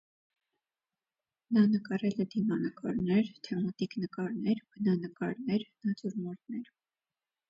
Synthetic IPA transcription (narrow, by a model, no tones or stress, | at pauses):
nɑnəkɑɾɛlɛd̪imɑnəkɑɾnɛɾt̪ʰɛmɑt̪iknəkɑɾnɛɾb̥ənɑnəkɑɾnɛɾnɑt͡suɾmɔɾt̪nɛɾ